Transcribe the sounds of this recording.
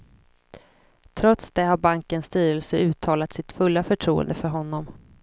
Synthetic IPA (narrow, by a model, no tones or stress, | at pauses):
t̪ʰɾɔt̪sd̪ɛhaɾbaŋkənst̪yːɾɛlsəʉ̟ːt̪ʰɑːlat̪sɪt̪fɵlːafœʈʰɾṵːə̰nd̪əfœɾɦɔnːɔm